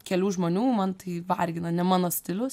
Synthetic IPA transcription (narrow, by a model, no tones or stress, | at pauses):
kʲɛlʲuːʒmoːnʲuːmɐnt̪ɐɪʋɐrʲɡʲɪnɐnʲɛmɑːnoːsʲt̪ʲɪlʲʊs